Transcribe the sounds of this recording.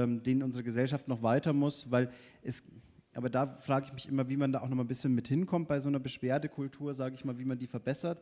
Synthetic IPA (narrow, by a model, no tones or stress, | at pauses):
mdeːnənʔʊnzəʁəɡəzɛlʃaftnɔχv̥aɪtɐmʊsvaɪlʔɛs | ʔa̰ːbɐdaːfʁ̥aːɡəɪçmɪçʔɪmɐviːmandaːʔʊxnɔχmabɪsçənmɪthɪnkʰɔmt̚b̥aɪzoːnɐbəʃv̥eːɐdəkʰʊltʰuːɐzaːɡəɪçmaːlviːmandiːfɛɐbɛsɐt